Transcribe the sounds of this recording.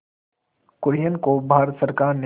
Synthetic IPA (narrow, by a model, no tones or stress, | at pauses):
kʊɾjənkobʱaːɾət̪səɾkaːɾne